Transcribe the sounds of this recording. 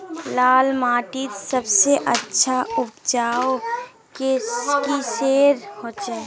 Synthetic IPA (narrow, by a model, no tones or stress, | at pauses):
laːlmaːʈit̪səbseʔətːʃʰaʊpʰd͡ʒaːo | kekiseːɾhoːt͡ʃe